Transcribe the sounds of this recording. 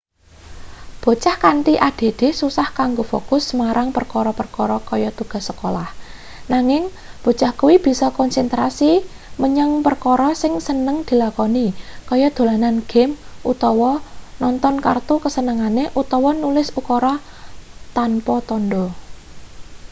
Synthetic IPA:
b̥o̤t͡ʃahkant̪iʔad̪̥e̤d̪̥ɪ̤susahkaŋɡofo̰kʊsmaɾaŋpərkɔɾɔpərkɔɾɔkɔjɔt̪uɡ̥a̤səkola̰h | naŋɪŋ | b̥o̤t͡ʃahkuwib̥i̤sɔkɔnsɛnt̪ɾasi | məɲəŋpərkɔɾɔsɪŋsənəŋd̪̥i̤lakɔnikɔjɔd̪̥o̤lananɡ̥ɛ̤mʔut̪ɔwɔnɔnt̪ɔnkart̪ukəsənəŋaneʔut̪ɔwɔnulɪsukɔɾɔ | t̪anpɔt̪ɔnɖɔ

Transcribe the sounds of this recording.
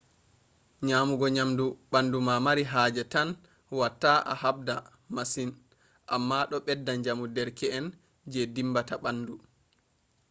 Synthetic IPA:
ɲaːmuɡɔɲamduɓandumamaɾiɦaːd͡ʒɛtan | watːaʔa̰hab̚da | masin | ʔamːaɗɔɓɛdːaɲd͡ʒamudɛɾkɛɛn | d͡ʒɛdimbataɓandu

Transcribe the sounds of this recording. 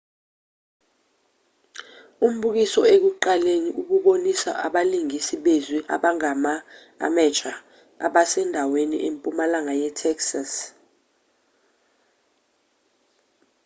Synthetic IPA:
um̩ɓuk̬isɔek̬uǃaleɲiʔuk̬uɓonisa̰ʔaɓaliŋisiɓeziʔa̰ɓaŋama | a̰mɛt͡ʃʼa | a̰ɓasɛndʱawenḭʔempʼumalaŋajɛtʰɛksas

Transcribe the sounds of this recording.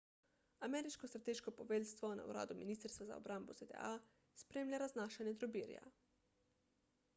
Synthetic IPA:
amɛːɾiʃkɔst̪ɾat̪eːʃkɔpɔʋeːlst̪ʋɔna̰ṵɾa̰ːd̪uminiːst̪ɾst̪ʋaza̰ɔ̰bɾambɔz̥ed̪ɛ̰aː | spɾeːmlʲjʲaɾaznaːʃanjɛd̪ɾɔbiːɾja̰

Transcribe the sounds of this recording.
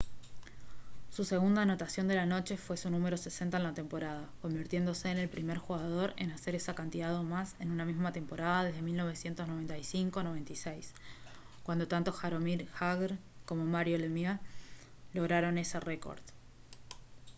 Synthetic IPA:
suse̞ɣund̪aːno̞t̪asjo̞nd̪e̞lano̞t͡ʃe̞fwe̞sunume̞ɾo̞se̞se̞nt̪aenlat̪e̞mpo̞ɾað̞ako̞mbiɾt̪je̞nd̪o̞se̞ːne̞lpɾime̞ɾxuɣað̞o̞ɾe̞̰nase̞ɾe̞sakant̪iðaðo̞mase̞nunamizmat̪e̞mpo̞ɾað̞að̞e̞ɦðe̞milno̞β̞e̞sje̞nt̪o̞znoe̞nt̪ajsiŋkono̞βe̞nt̪isejs | kwand̪o̞t̪ant̪o̞xaɾo̞miɾxaɣeɾko̞mo̞maɾjo̞lemia | lo̞ɣɾaɾo̞ne̞sereko̰ɾð

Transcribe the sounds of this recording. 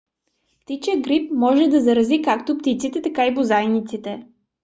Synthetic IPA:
pt̪it͡ʃɛɡɾipmɔʒɛd̪ɐzɐɾɐzikakt̪opt̪it̪sit̪ɛt̪ɐkaibozajnit̪sit̪ɛ

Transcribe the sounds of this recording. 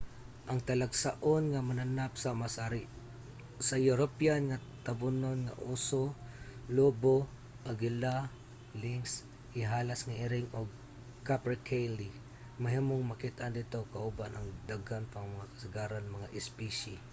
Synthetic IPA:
ʔɐŋt̪alaɡsaʔonŋamananap̚samasaɾɪ | sajuɾopjanŋa | t̪abʊnonŋa̰ʔusolobo | ʔaɡɪla | lɪŋs | ʔɪɦaːlasŋaʔɪɾɪŋoɡ̚ | kapɛkʰejli | maɦimoŋmakit̪and̪ɪt̪okaʔʊbanʔɐŋd̪aɡanpaŋmɐŋakɐ̥sɪɡaɾanmɐŋaʔɪspiʃi

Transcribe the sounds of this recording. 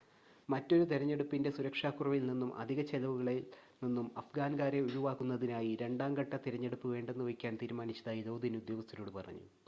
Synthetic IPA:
mɐtːo̞ɾut̪eɾɐɲːe̞ɽupːinde̞suɾɐkʂaːkːurɐʋilninːumʔɐ̰d̪ʱiɣɐt͡ɕelɐʋuɣɐɭininːumɐfɡaːnɡaːɾe̞uɻuʋaːkːunːɐðinaːjiɾe̞ɳɖaːŋɡɐʈːɐt̪iɾɐɲːeɽupːuʋe̞ːɳɖe̞nːuʋɐikʲːaːnt̪iːɾmaːnit͡ɕːɐðaːjid̪o̞ːd̪ʱinud̪jo̞ːɡɐst̪ʰːɐnuːɽɨpɐrɐ̰ɲːṵ

